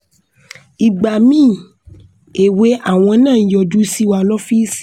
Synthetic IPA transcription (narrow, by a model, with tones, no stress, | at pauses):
i˨ɡ͡ba˨mĩː˦˨ | e˨we˨˦a˦˨w̃ɔ̃˧˦nãː˦˨jɔ˧˨du˦si˦wa˧lɔ˦fi˦s